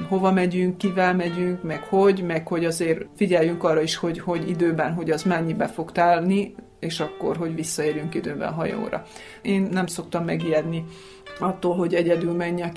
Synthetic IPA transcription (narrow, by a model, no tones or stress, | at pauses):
ɦo̞vɒmɛɟyŋkːivɛlmɛɟyŋkmɛkhoɟmɛkho̞ɟɒzeːrfiɟɛjːyŋkɒrːɒiʃho̞ɟho̞ɟḭd̪øːbɛnɦo̞ɟɒzmɛɲːibɛfo̞kt̪aːlni | eːʃɒkːo̞̰rɦo̞ɟvisːɒeːɾjyŋkid̪øːbɛ̰nɦɒjo̰ːɾɒ̰ | eːnːɛmso̞k̚t̪ɒmːɛɡijɛd̪ni | ɒt̪ːoːlɦo̞ɟɛɟɛd̪ylmɛɲːɛk